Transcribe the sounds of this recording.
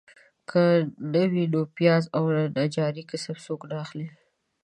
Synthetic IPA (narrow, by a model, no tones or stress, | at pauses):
kʰənəwidopjɑzawlanad͡ʒɑɾikɪsabsoknɑxli